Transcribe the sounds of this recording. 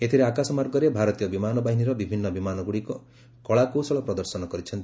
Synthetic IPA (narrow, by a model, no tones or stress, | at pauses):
et̪ʰiɾeakasɔmaɾɡʌɾjebʱaɾɔt̪ijʌbimanɔbaɦiniɾʌbibʱinːʌbimanɔɡuɽiko | kɔɭakosɔɭɔpɾɔd̪ɔɾsɔnɔɡʌɾit͡ʃʰʌnt̪i